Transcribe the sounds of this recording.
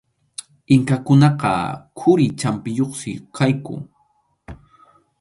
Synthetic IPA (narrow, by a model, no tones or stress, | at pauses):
ɪŋkakʊnɑqɑ̰kʰʊɾɪt͡ʃampɪjoχsɪkʰajkʊ̰